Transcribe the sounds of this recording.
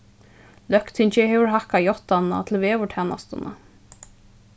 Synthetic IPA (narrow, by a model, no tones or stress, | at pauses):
lœkt̪ʰɪɲt͡ʃɪɦɛvʏɹɦahkajɔht̪anːa̰t̪ʰɪlvɛvʏʈʰɛːna̰st̪ana̰